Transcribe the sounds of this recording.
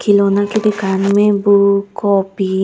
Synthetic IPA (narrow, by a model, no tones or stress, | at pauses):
kʰilonakid̪ikanmebukɔpi